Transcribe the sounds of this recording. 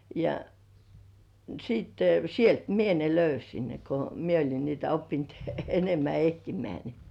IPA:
jɑ sitːe sielt mie ne løysin ne ko mie olʲin niːtæ opːint enemːæ ehtimeæ ni

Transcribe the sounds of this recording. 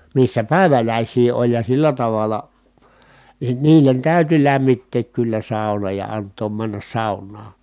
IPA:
misːæ pæˑi̯ʋælæˑisˑiː olʲ jɑ silːæ tɑʋɑlɑ nin niːlen tæˑyty læmːitːeːk kylːæ sɑˑunɑ jɑ ɑntˑoːm mænːæs sɑˑunːɑː

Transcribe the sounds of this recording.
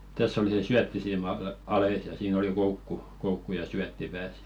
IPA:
tæsː oli se syætːisiːmɑ ɑɑles jɑ siːn oli koukːu koukːu jɑ syætːi pæːs

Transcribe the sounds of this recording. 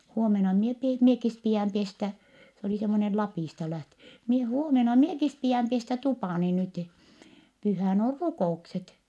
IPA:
huomenɑ mie pie miekis piæˑm pestæ s oliˑ semːonel lɑpiˑstɑ læhtø mie huomenɑ miekis piæˑm pestæ tupɑˑni nyti pyhæˑn or rukoˑukset

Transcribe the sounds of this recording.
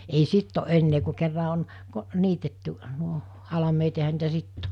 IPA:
ei sitː o ʔenːeː ku kerːɑ on ko niːtetːy nuo hɑlɑmeːt jɑ ehæ niːtæ sitː

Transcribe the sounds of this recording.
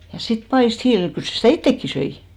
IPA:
jɑ sit pɑist hiːlil kyl se sitæˑ itːekːi søi

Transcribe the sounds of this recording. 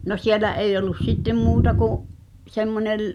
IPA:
no sielːæ eij olˑus sitːem muːtɑ kuʔ semːonel

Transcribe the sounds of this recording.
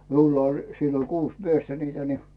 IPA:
miulːɑ olʲ silːo kuːs miestæ niːtæ ni

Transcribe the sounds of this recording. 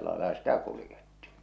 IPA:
lɑelɑ sitæ kulĭjetːi̥ːn̥

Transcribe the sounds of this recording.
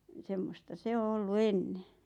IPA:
ni semːostɑ se o olːu enːe

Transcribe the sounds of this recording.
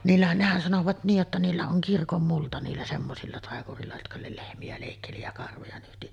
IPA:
niːlːæhæn nehæn sɑnoʋɑt niːj jotːɑ niːlːæ oŋ kirkomːultɑ niːlːæ semːosilːɑ tɑˑekurˑiːlːɑ jotkɑ le lehmiæ leˑikːeli jɑ kɑrʋojɑ nyhti

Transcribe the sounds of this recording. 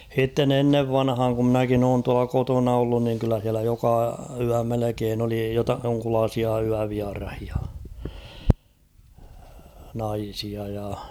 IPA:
h̞itːen enːeʋ ʋɑnhɑːŋ ku mnækin oːn tuɑlɑ kotonɑ olːun niŋ kylːæ h̞iælæ jokɑ yæ melekeːn oli jotɑ joŋkulɑːsiɑ yæʋiɑrɑhiɑ nɑisiɑ jɑ

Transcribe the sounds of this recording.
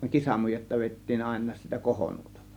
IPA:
kisɑmujetːɑ ʋeˑitːiːn ɑˑe̝nˑɑːs sitæ kohonuotɑlːɑ

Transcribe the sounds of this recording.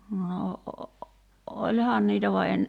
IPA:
no ʔolʲhɑːn niːtæ ʋɑ en

